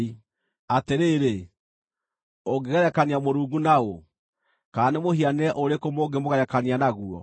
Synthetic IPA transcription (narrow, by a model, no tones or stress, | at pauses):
i | ateɾeɾe | oɡeɣaɾɛkaniamoɾuːŋɡunaɣo | kaːnemohianɛʔoɾekomoːɡemoɣaɾɛkanianaɣuɔ̰